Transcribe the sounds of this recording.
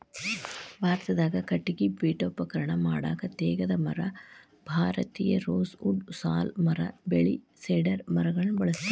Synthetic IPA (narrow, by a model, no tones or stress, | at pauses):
bʱaːɾt̪ɐd̪aːɡɐkɐʈːiɡibiːʈopːɐkɐɾɐɳɐmaːɽa̰ːɡɐt̪eːɡɐd̪ɐmɐɾɐ | bʱaːɾɐt̪iːjɐɾoːsuɖsaːlmɐɾɐ̰beɭḭ | seːɖɐɾmɐɾɐɡɐɭɐnubɐɭɐs